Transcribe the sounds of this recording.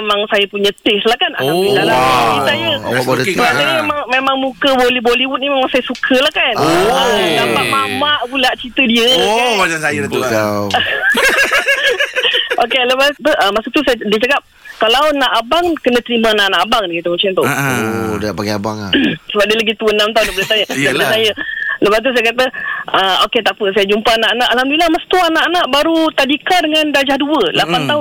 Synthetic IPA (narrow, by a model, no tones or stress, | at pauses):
emaŋsajəpuɲə̃t̪ɪslahkana̰ailalaaɡisajəbodəsəbaʔaimemaŋmemaŋmukəboliboliwut̪̚nimemaŋsajəsukʰəlahkanonamaʔmamaʔbulaʔt͡ʃit̪ədiəad͡ʒasajəat̪uaw | ʔokeləmat̪uʔəmasuk̚t̪usajdiət͡ʃakap̚ | kalawnaʔabaŋkənə̃t̪əɾimə̃naʔanaʔabaŋdaɡit̪umət͡ʃant̪uodaʔpaɡiabaŋsəbaʔdəlaɡit̪uənãmt̪aunapələt̪ajəlasajələbast̪̬us̬ajəkat̪əəoket̪apəsajəd͡ʒumpanaʔanaʔalamdilamasu̥t̪uanaʔanaʔbaɾut̪adikadəŋandad͡ʒahduəlapant̪aʊn